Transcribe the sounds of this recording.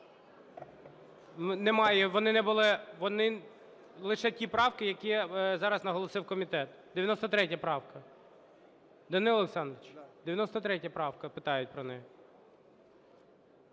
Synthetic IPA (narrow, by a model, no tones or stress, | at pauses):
nɛmɑjɛʋɔnɪnɛbʊlˠɪʋɔnɪ | lˠɪʃɛtʲipɾɑwkɪjɐkʲizɑɾɐznɐɦɔlˠɔsɪwkɔmʲit̪ɛt̪d̪̥eʋʲjɐnɔst̪ɔt̪ɾɛtʲjɐpɾɑwkɐ | d̪ɐnɪlˠlˠeksɑnd̪ɾɪt͡ʃd̪̥ejɐnɔst̪ɔt̪ɾɛtʲjɐpɾɑwkɐpɪt̪ɑjʊt̚ʲpɾɔnɛjɛ